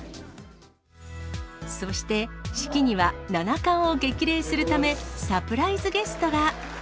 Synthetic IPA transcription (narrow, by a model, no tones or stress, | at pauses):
so̞ɕi̥t̪e̞ɕi̥kʲiɲ̟iβananakãɰ̃o̞ɡe̞kʲiɾe̞ːsɨɾɯ̟t̪ame̞sapɯ̟ɾaizɨɡe̞sɨ̥t̪o̞ɡa